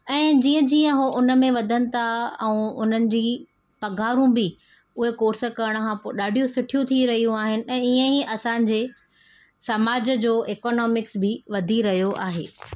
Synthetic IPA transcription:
ɛ̃ːd͡ʑiːə̃d͡ʑiːə̃ɦoʔʊnə̆mẽʋɐd̪ʱənɪ̆t̪ʰaɛ̰̃ʊn̤ənɪ̆d͡ʑiː | pɐɡʱaːɾũbi | ʊɦekoːɾsəkɐɾəɽ̃̆kʰãpoːɗaːɖʱijũsʊʈʰijũt̪ʰiɾɐɦijũaːɦɪnɪ̆ɛ̃ːiə̃ɦiʔɐsãːɲ̆d͡ʑeː | sɐmaːd͡ʑəd͡ʑoːʔeːkɔːnɔːmɪksbɪʋɐd̪ʱiɾɐɦijoʔa̰ːɦḛː

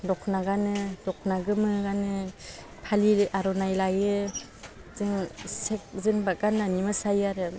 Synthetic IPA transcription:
dɔkʰnaɡanɯdɔkʰnaɡɯmɯɡanɯ | pʰaliaɾɔnajlajɯ | zɯŋsek̚zɯnbakananimɯsajaɾɯ

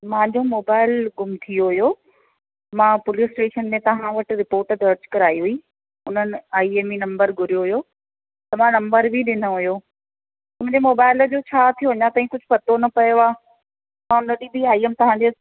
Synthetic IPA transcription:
mãːɲd͡ʑomoːbaːɪlɡʊmt̪ʰijoɦʊjo | mãpʊlisʈeːʃənmẽt̪ɐʋ̤ãʋɐʈɪɾɪpoːɾʈəd̪ɐɾd͡ʑkɐɾaːiɦʊiː | ʊn̤ənɪ̆aːieminɐ̃mbəɾɡʱʊɾijoɦʊjo | t̪ɐmãnɐ̃mbəɾbʱiɗɪnə̆ɦʊjo | tmʊ̃ʊ̃ɲd͡ʑemoːbaːɪld͡ʑot͡ɕʰaːt̪ʰijoɦɐɲãt̪aːɦĩkʊd͡ʑʱʊpɐt̪onɐpɐjoaː | mãʊnəɗibʱiaːiemt̪ɐʋ̤ãɲd͡ʑe

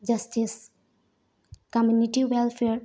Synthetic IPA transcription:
d͡ʒɐsʈis | kamjuniʈiwelfʰeɾ

